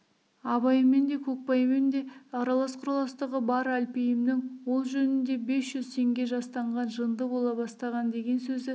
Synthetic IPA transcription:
ɑbɑjəme̞nd̪e̞kʲʰɵk̚pɑjmend̪e̞ɑɾɑlˠɑsqʰʊɾɑlˠɑst̪əʁəbɑɾælpejɪmnɪŋwo̞lˠʒɵnɪnd̪e̞be̞sʒ̥ʏzt̪ʰe̞ŋɡʲe̞ʒɑst̪ɑɴʁɑnʒənd̪əbo̞lˠɑbɑst̪ɑʁɑnd̪e̞ɡʲe̞nsɵzɪ

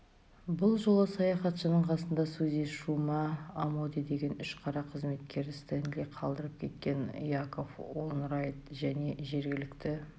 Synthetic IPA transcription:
bʊlˠʒo̞lˠəsɑjɑχɑt̪ʃənəɴqʰɑsənd̪ɑsɵzeʃumɑːmod̪id̪e̞ɡʲe̞nʏʃqʰɑɾɑqʰəzme̞t̪̚kʲʰe̞ɾɪst̪end̪liqʰɑlˠd̪əɾəp̚kʲʰe̞t̪̚kʲe̞nḭjako̞fwonɾɑjt̪ʒæne̞ʒe̞ɾɡʲɪlɪkt̪ɪ

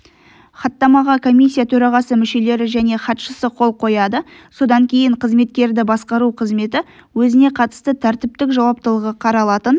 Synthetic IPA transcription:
χɑt̪ːɑmɑʁɑkʰo̞mʲisʲːijat̪ʰɵɾɑʁɑsəmɪʃe̞le̞ɾɪʒæne̞χɑt̪ʃəsəqʰo̞lˠqʰo̞jɑd̪əso̞d̪ɑŋkʲʰe̞jɪɴqʰəzme̞t̪̚kʲe̞ɾd̪ɪbɑsqɑɾuqʰəzme̞t̪ɪwɵzɪne̞qʰɑt̪ə̥st̪ət̪ʰæɾt̪ɪp̚t̪ɪkʒɑwɑp̚t̪əlˠəʁəqʰɑɾɑlˠɑt̪ən

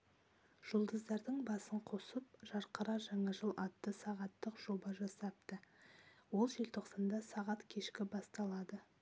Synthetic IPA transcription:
ʒ̥ʊlˠd̪əzd̪ɑɾd̪əɴbɑsəɴqʰo̞səpʒɑɾqəɾɑʒɑɴɑʒəlˠɑt̪ːəsɑʁɑt̪ːəqʒ̥o̞bɑʒɑsɑp̚t̪əwo̞lˠʒe̞lt̪ʰo̞qsɑnd̪ɑsɑʁɑt̪kʲʰe̞ʃkʲɪbɑst̪ɑlˠɑd̪ə

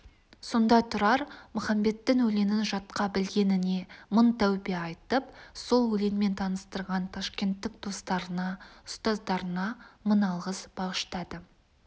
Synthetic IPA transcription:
so̞nd̪ɑt̪ʰʊɾɑɾmʊχɑmbe̞t̪ːɪŋwɵle̞nɪnʒɑt̪qɑbɪlɡʲe̞nɪne̞mənt̪ʰæwbeɑjt̪əpso̞lˠwɵle̞nme̞nt̪ʰɑnəst̪əɾʁɑnt̪ʰɑʃkʲe̞nt̪ːɪkd̪̥o̞st̪ɑɾənɑʊst̪ɑzd̪ɑɾənɑmənɑlˠʁəsb̥ɑʁəʃt̪ɑd̪ə

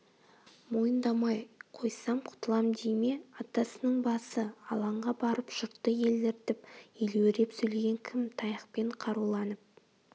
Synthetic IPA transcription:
mo̞jənd̪ɑmɑjqʰo̞jsɑmqʰʊ̥t̪əlˠɑmd̪ejme̞ɑt̪ɑsənəɴbɑsəɑ̰lˠɑɴʁɑbɑɾəpʒʊɾt̪ːəje̞ld̪ɪɾt̪ɪpeleweɾe̞psɵjle̞ɡʲe̞ŋkʲʰɪmt̪ʰɑjɑqpe̞ɴqʰɑɾulˠɑnəp̚

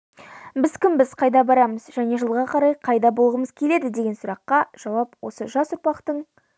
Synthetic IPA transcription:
bɪzkʲʰɪmbɪz̥qʰɑjd̪ɑbɑɾɑməzʒæne̞ʒəlˠʁɑqʰɑɾɑjqʰɑjd̪ɑbolˠʁəməzkʲʰe̞le̞d̪ɪd̪e̞ɡʲe̞nsʊɾɑqːɑʒ̥ɑwɑpwo̞səʒɑsʊɾpɑqt̪əɴ

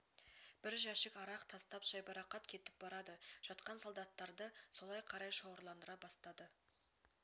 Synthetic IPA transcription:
b̥ɪɾʒæʃɪkɑɾɑqt̪ʰɑst̪ɑpʒɑjbɑɾɑqɑt̪kʲʰe̞t̪ɪ̥p̚bɑɾɑd̪əʒ̥ɑt̪qɑnsolˠd̪ɑt̪ːɑɾd̪əso̞lˠɑjqʰɑɾɑjʃowəɾlˠɑnd̪əɾɑbɑst̪ɑd̪ə

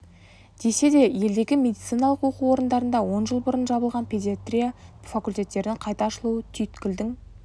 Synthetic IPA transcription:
d̪̥e̞se̞d̪e̞je̞ld̪e̞ɡʲɪmʲe̞d̪it̪sɨjnɑlˠəqwo̞quwo̞ɾənd̪ɑɾənd̪ɑwo̞nʒəlˠbʊɾənʒɑbəlˠʁɑnpʰʲe̞d̪ʲijat̪rʲijafakulʲt̪e̞t̪ːe̞ɾd̪ɪŋqʰɑjt̪ɑɑʃəlˠuwət̪ʰyjt̪kʲɪld̪ɪŋ

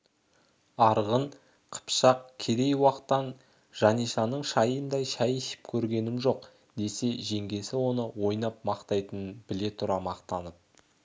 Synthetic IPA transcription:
ɑɾʁəɴ | qʰə̥pʃɑqkʲʰe̞d̪e̞jwɑqt̪ːɑn | ʒ̥ɑnijʃɑnəɴʃɑjənd̪ɑjʃæjeʃɪ̥pkʲʰɵɾɡʲe̞nɪmʒo̞q | d̪e̞se̞ʒe̞ŋɡʲe̞sɪwo̞nəwo̞jnɑp̚mɑqt̪ɑjt̪ənənbɪle̞t̪ʰʊɾɑmɑqt̪ɑnəp̚

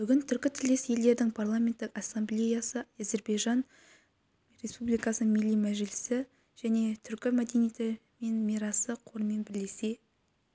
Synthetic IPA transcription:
b̥ʏɡʲɪnt̪ʰʏɾkʲɪt̪ʰɪle̞sje̞ld̪e̞ɾd̪ɪŋpʰarlˠamʲe̞nt̪ːɪkasːamblʲe̞jasəæze̞ɾbejʒɑn | re̞spublijkɑsəmilːijmæʒɪlɪsɪ | ʒ̥æne̞t̪ʰʏɾkʲɪmæd̪e̞nije̞t̪ɪ | me̞nmiɾɑsəqʰoɾme̞nbɪɾle̞se̞

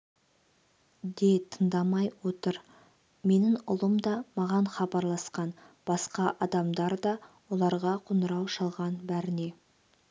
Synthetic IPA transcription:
d̪et̪ʰənd̪ɑmɑjwo̞t̪əɾ | me̞nɪŋʊlˠəmd̪ɑmɑʁɑɴχɑbɑɾlˠɑsqɑn | b̥ɑsqɑʔɑd̪ɑmd̪ɑɾd̪ɑwo̞lˠɑɾʁɑqʰonəɾɑwʃɑlˠʁɑnbæɾɪne̞

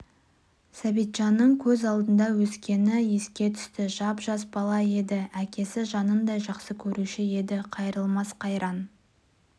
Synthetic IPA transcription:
sæbijt̪ʒ̥ɑnːəɴkʲʰɵzɑlˠd̪ənd̪ɑwɵskʲe̞nɪje̞skʲe̞t̪ʰʏ̥st̪ɪʒɑpʒɑsbɑlˠɑe̞d̪ɪækʲe̞sɪʒɑnənd̪ɑjʒɑqsəkʲʰɵɾuʃɪe̞d̪ɪqʰɑjɾəlˠmɑsqʰɑjɾʔɑn

